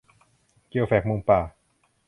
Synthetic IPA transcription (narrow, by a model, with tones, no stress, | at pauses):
ki˧ə˧wfɛː˨˩k̚mo˧ŋpaː˨˩